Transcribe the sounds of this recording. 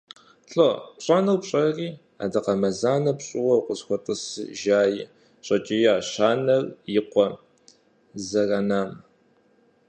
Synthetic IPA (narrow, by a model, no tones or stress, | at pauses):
ɬʼopɕʼɐnɐwpɕʼɐriː | a̰ːdɨqɐmɐzaːnɐpɕʼɪwɐqʷʊsxʷɔtʼɨsɨ̰ʒaːjɪ | ɕʼɐt͡ʃʼijaːɕaːnɐrjɪqʷɔ | zɐrɐnaːm